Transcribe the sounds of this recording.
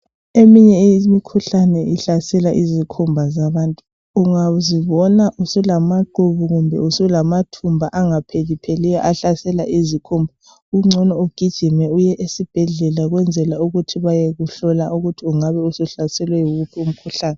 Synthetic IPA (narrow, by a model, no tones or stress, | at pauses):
emiɲɛimikʰuɬanɛiɬasɛlaʔizikʰumbʱazaβaːntʼu̥ | uŋaziβɔnaʔusulamaǃuβuɣumbʱɛ̰usulamatʰumbʱaʔaŋapʰelipʰelija̰ʔaɬasɛlaʔizikʰumbʱa | uŋ͡ǀʱɔnɔuɡ̥ʱid̥ʒ̥ʱimɛujɛʔesib̥ʱɛɮɛlaɣwɛnd͡zʱɛlauɣutʰiβajeɣuɬɔlaʔuɣutʰiuŋaβɛusuɬasɛlwɛjuɣupʰium̩kʰuɬaːnɛ